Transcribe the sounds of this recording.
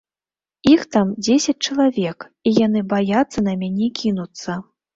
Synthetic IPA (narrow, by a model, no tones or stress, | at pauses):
ixt̪amd͡zʲesʲɐt͡s̚ʲt͡ʂɐlˠavʲɛk | ijanɨbajat̪sːɐnɐmʲanʲɛkʲinut̪sːɐ